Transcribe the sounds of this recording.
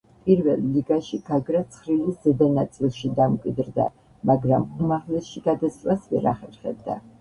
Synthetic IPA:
pʼiɾvɛlˠːiɡaʃiɡ̥aɡɾat̪sʰχɾilisz̥ɛd̪anat̪sʼilˠʃid̪amkʼwid̪ɾd̪a̰ | maɡɾamumaʁlɛsʃiɡad̪ast̪ʼwasvɛɾa̰χɛɾχɛ̰b̚d̪a̰

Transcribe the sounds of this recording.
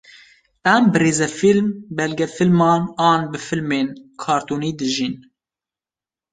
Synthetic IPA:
ɛmbɨɾeːzɛfilmbɛlɡɛfɨlmɑːnɑːnbɨfɨlmeːnkʰɑːɾt̪uːniːd̪ɨʒin

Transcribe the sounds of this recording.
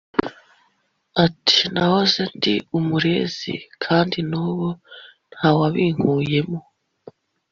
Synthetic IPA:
atʰi̥nahozendiumuɾe̞ːz̥ḭkʰaːndinuːβo̞n̥hawaβiːŋ̥huːje̞mo

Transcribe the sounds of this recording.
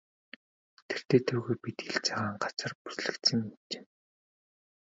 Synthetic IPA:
t̪ʰer̥t̪eːt̪ʰɵwɣujpit̪ɡiɮt͡sʰaʁaːɴɢat͡sə̆rpu̥sɮɘ̆kt̪sɘ̆ŋit͡ɕe̥ː

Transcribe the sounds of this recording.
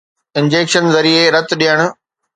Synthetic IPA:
ɪ̃nd͡ʑeːkʃənzɐɾieɾɐt̪ʊɗijəɽ̃ʊ̆

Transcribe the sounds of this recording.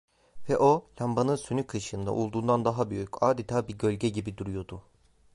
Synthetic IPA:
vɛʔolʲambanɯnsynykʰɯʃɯnd̪a̰ʔṵlˠd̪uːnd̪and̪aɦabyjycaːd̪it̪ʰaːbiɟø̞lʲɟɛɟibid̪uɾujo̞d̪u

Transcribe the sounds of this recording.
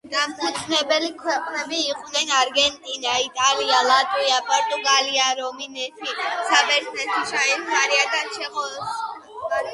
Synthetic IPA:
d̪̥amt̪ʰit̪ʰnɛbɛlikʰwɛqʼnɛbiːqʼnɛnaɾɡɛnt̪ʼinait̪ʼalialˠat̪ʼwiapʼɔɾt̪ʼuɡaliaɾɔminɛt̪ʰisabɛɾt̪ʰnɛt̪ʰiʃaɛnχaɾiad̪aʃɛmɔ

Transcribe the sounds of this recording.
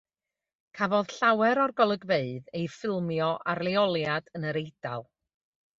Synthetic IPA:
kʰavɔð̥ɬawɛɾɔrɡɔlˠəɡveɨðejfɪlˠmjɔʔarlˠeɔlˠjadənəɾejd̥alˠ

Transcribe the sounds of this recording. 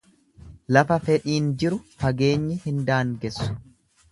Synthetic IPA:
lɐfɐfɛᶑiːnd͡ʒɪɾʊfɐɡeːɲːɪhɪnd̪aːŋɡɛsːʊ̥

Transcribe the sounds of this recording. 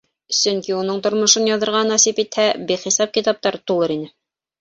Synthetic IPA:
sɵŋkiunɤɴt̪ŏɾmŏʃɤnjɑðɤ̆ɾʁɑnɑsipit̪hæbiχisɑp̚kit̪ɑp̚t̪ɑɾt̪ulˠɤɾinɘ

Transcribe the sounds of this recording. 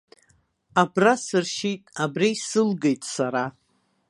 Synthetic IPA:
abrasɨrʃitʼabrijsɨlɡejtʼsaɾa

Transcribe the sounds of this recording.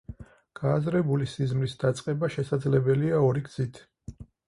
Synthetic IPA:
ɡ̥aːzɾɛbulisizmɾisd̪̥at̪sʼqʼɛbaʃɛsad̪zlɛbɛliaɔɾiɡz̥it̪ʰ

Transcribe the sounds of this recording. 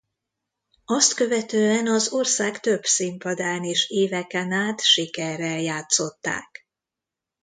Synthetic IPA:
ɒst̪kø̞vɛt̪øːɛnɒzo̞rsaːkt̪ø̞bsimpɒd̪aːneːʃeːvɛkɛnaːt̪ʃikɛrːɛljaːt̪so̞t̪ːa̰ːk

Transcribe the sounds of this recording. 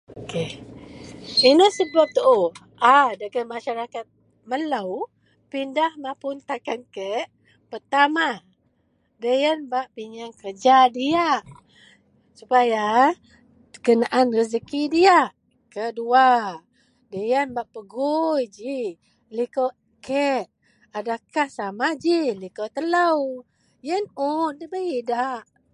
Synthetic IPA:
oke | inəsəbap̚t̪əʔo | adaɡəmaʃaɾakat̪̚ | mələw | pindahmapʊnt̪akankəʔ | pərt̪ama | dəjanbaʔpiɲaŋkərd͡ʒadia | supaja | kənaʔanrəs̬əkidiaʔ | kədua | dəjənbaʔpəɡujd͡ʒi | liko | kəʔ | adakahsamad͡ʒilikot̪ələw | jənut̚dəbəidaʔ

